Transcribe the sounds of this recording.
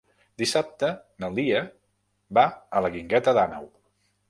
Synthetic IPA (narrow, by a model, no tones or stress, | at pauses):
d̪isap̚t̪ənəlˠd̪iə | baələɣiŋɡɛt̪əðanə̰w